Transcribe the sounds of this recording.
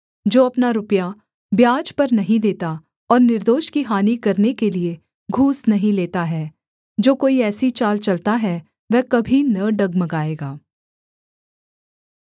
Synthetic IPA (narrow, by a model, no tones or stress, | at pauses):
d͡ʒoːɐpnaɾʊpja | bjaːd͡ʒpɐɾnɐɦĩd̪eːt̪a | ɔːɾnɪɾd̪oːʃkiɦaːnikɐɾnekelie | ɡʱuːsnɐɦĩleːt̪aɦɛː | d͡ʒoːkoːiɛːsit͡ʃaːlt͡ʃɐlt̪aɦɛ | ʋɛkɐbʱinɐɖɐɡmɐɡaːeːɡaː